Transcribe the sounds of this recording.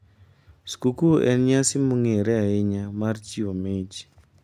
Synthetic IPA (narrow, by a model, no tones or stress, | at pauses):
skukuʔɛ̰nɲasɪmuŋeɾɛaɪɲamaɾt͡ʃiomet͡ʃ